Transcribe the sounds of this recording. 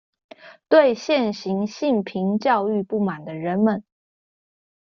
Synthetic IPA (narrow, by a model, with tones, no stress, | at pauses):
t̪we˥˧ɪɕjɛ˥˩nɕi˧˥ŋɕi˥˩npʰi˧˥ŋt͡ɕjɑ˥˧ʊy˥˧pu˥˩ma˨˩nd̪ə˦ɻə˧˥nmə˨˦n